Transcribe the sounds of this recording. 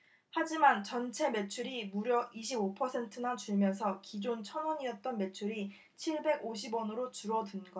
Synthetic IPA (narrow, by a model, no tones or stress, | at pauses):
had͡ʑimant͡ɕʌnt͡ɕʰe̞me̞t͡ɕʰuɾimuɾjʌʔiɕ̬ʰibopʰʌsʰe̞ntʰɯnat͡ɕuɭmjʌns̬ʰʌkid͡ʑont͡ɕʰʌnʌɲiʌt̚t͈ʌnme̞t͡ɕʰuɾi | t͡ɕʰiɭbe̞ɡoɕ̬ʰibwʌnɯɾot͡ɕuɾʌdunɡʌ